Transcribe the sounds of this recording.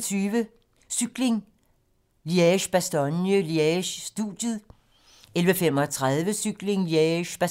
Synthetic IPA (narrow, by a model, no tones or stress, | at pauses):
t͡sʰyːʋə | syɡ̥le̝ŋ | liɛɕb̥æsd̥ɒnjəliɛɕːd̥ud̥jəðˠ | elʋəfem̰ɒ̽t͡sʰʁað̞ˠʋəsyɡ̥le̝ŋliæɕb̥æ